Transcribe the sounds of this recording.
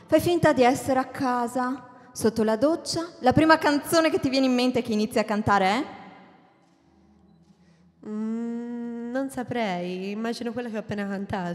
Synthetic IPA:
fajfint̪ad̪iɛsːeɾeakʰːaːza | sot̪ːolad̪ot͡ʃːalapɾiːmakant̪soːnek̟et̪ːivjɛːneimːent̪eɛkːeinit̪sːjiakːant̪aːɾeɛ | nonsapɾɛjimːaːd͡ʒinokwelːakeɔpːeːnakant̪aːt̪

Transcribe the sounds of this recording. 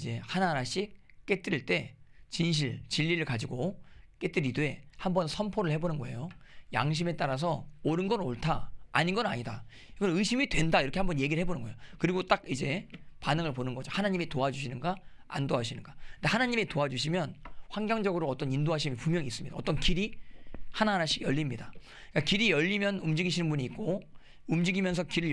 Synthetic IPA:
d͡ʑe̞hanaɾaɕ͈ʰik̚k͈e̞t͈ɯɾiɭt͈e̞t͡ɕinɕ̬ʰiɭt͡ɕiʎːiɾɯɭkad͡ʑiɡok͈e̞t͈ɯɾide̞hambʌnsʰʌnpʰoɾɯɭhe̞bonɯnɡʌe̞̰joja̰ŋɕ̬ʰime̞t͈aɾas̬ʰʌoɾɯnɡʌnoɭtʰaaɲinɡʌnna̰ɲida | iɡʌnɯɕʰimidwe̞ndaiɾʌkʰe̞hambʌnje̞ɡiɾɭɦe̞bonɯnɡʌejokɯɾiɡot͈ak̚id͡ʑe̞panɯŋɯɭponɯnɡʌd͡ʑohanaɲimitoad͡ʑuɕʰinɯnɡaa̰ndoɦaɕʰinɯnɡandehanaɲimetoad͡ʑuɕʰimjʌnɸwaŋɡjʌŋd͡ʑʌɡɯɾoʌt͈ʌnindoɦaɕʰimpumjʌŋiːs͈ɯmɲidaʌt͈ʌnkiɾihanaɦnaɕʰiɡjʌʎːimɲida | k͈akiɾijʌʎːimjʌnumd͡ʑiɡiɕʰinɯnbuɲiːk̚k͈o | umd͡ʑiɡimjʌns̬ʰʌkiɾɯɭ

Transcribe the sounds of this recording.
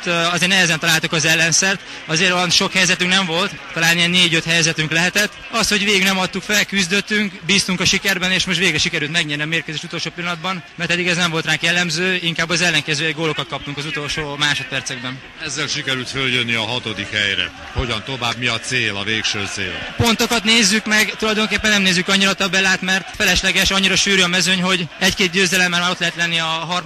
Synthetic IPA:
t̪ɒzeːrnɛɦɛzɛnt̪ɒlaːlt̪ukɒzɛlːɛnsɛrt̪ | ɒzeːɾoɒnʃo̞khɛjzɛt̪yŋknɛɱvo̞lt̪t̪ɒlaːnijɛnːeːɟøt̪hɛjzɛt̪yŋklɛɦɛt̪ɛt̪ːɒst̪ho̞ɟʋeːɡiɡnɛmɒt̪ːukfɛlkyzd̪øt̪ːyŋkbiːst̪uŋkɒʃikɛrbɛneːʃmoʃt̪ʋeːɡɾɛʃikɛɾyːlt̪mɛɡɲɛːrniɒmeːrkøzeːʃut̪o̞lʃoːpilːɒnɒd̪bɒnmɛrt̪ɛd̪ːiɡɛznɛɱvo̞lt̪raːkjɛlːɛmzøːiŋkaːbːɒzɛlːɛŋkɛzøːɛɡoːlokɒt̪kɒp̚t̪uŋkɒzut̪o̞lʃoːmaːʃo̞t̪̚pɛrt̪sɛɡ̚bɛn | ɛzːɛlʃikɛɾylt̪føljønːiɒɦɒt̪o̞d̪ikhɛjɾɛ̰ | ho̞ɟɒnt̪o̞vaːbmiɒt̪seːlɒ̰veːkʃøːt̪sḛːl̰po̞nt̪o̞kɒt̪neːzːykmɛɡt̪ulɒjd̪o̞ŋkeːpːɛnːɛmneːzːykɒɲːiɾɒt̪ɒbːɛlːaːt̪mɛrt̪fɛlɛʃlɛɡɛʃɒɲːiɾɒʃyːɾyɒmɛzøɲɦo̞ɟɛckeːt̪̚ɟøːzɛlɛmːaːrmaːɾo̞t̪lɛɦɛt̪lɛnːiɒɦɒr

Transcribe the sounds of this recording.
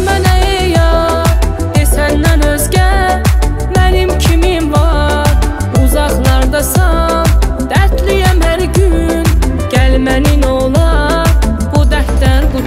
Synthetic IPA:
mænæe | jɑ | d̪esænːænøzɟæ | mænimcʰimimvɑɾ | uzɑχlˠɑɾd̪ɑsɑ | md̪̥æɾt̪ʰlijæmhæɾɟy | nɟ̥ælmæninolˠɑ | bud̪æhlæɾɡuɾ

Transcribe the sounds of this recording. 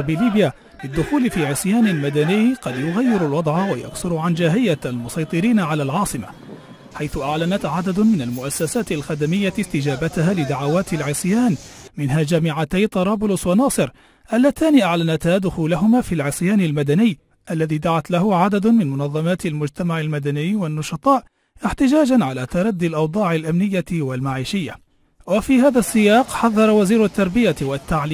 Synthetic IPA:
biːliːbja | bɪd̪ːʊxuːlɪfiːʕɪsˤjaːnɪlmad̪anɪjqɑd̪jʊɣajːɪɾalwɑd̪ˤʕawaja̰ksʊɾʕand͡ʒaːɦɪjːaalmʊsˤɑjt̪ˤɨɾiːnaʕalaːlʕɑːsˤɨma̰ | ħajθʊʔaʕlanat̪ʕad̪ad̪ʊmɪnalmʊʔasːasaːt̪ɪlxad̪amɪjːaɪst̪ɪd͡ʒaːbat̪ɪhaːlɪd̪aʕawaːt̪ɪlʕɪsˤjaːnmɪnɦaːd͡ʒaːmɪʕat̪ajt̪ˤɑɾˤɑːbʊlʊswɑnɑːsˤɨɾ | ʔalːat̪aːniʔaʕlanat̪haːd̪ʊxuːlaɦʊmaːfiːlʕɪsˤjaːnɪlmad̪anɪjː | ʔalːaðiːd̪aʕat̪lahʊʕad̪ad̪mɪnmʊnɑðˤːɑmaːt̪ɪlmʊd͡ʒt̪amaʕalmad̪anɪjwanːʊʃɑt̪ˤɑːʔ | ʔɪħt̪ɪd͡ʒaːd͡ʒanʕalaːt̪ɑɾˤɑd̪ːɪlʔɑwd̪ˤɑːʕɪlʔamnɪjːawalmaʕiːʃɪjːa | wafiːhaːðasːɪjɑːqħɑðˤːɑɾˤɑwaziːɾʊt̪ːɑɾˤbɪjawat̪ːaʕli

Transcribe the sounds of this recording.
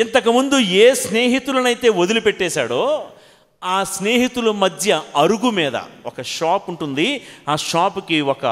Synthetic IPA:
int̪ɐkɐmund̪ueːsneːɦit̪ulɐnɐjt̪e̞ːod̪ulupeʈːɛːsa̰ːɽoː | aːsneːɦit̪ulumɐd̪ʱjɐɐɾuɡumɛːd̪ɐ̰ɔkɐʂaːpuɳʈund̪iaːʃaːpukiɔkɐ̰

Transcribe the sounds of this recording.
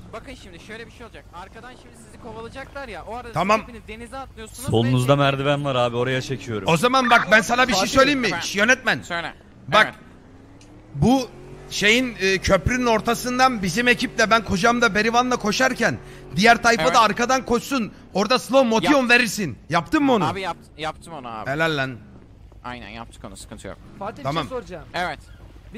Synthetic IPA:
t̪ʰamamˠ | solˠunuzd̪amæɾd̪ibænlˠaɾaːbio̞ɾajat͡ʃʰe̞cʰijo̞ɾṵo̞zamanbak̚bænsanabiʃeejsø̞jlʲeinmːiʃjø̞nɛt̪̚mæn | bak | buʃe̞jinɯːcʰø̞pɾynyno̞ɾt̪ʰasɯnd̪anbizime̞cʰip̚lʲɛbænkʰo̞d͡ʒamd̪abe̞ɾivanlˠakʰo̞ʃaɾcʰæn | d̪ijæɾt̪ʰajfaaːɾkad̪ankʰo̞t͡ʃsun | o̞ɾd̪aslˠomːo̞t̪ijonve̞ɾiɾsinjapt̪ʰɯmːɯo̞nubap̪ | jap̚t̪ʰɯmonua̰ːelʲælʲːæn | a̰jnæ̰nja̰p̚t̪ʰɯ̥konuskʰɯnt̪ʰɯjo̰ɾʰ | amamd͡ʒɛvɛt̪

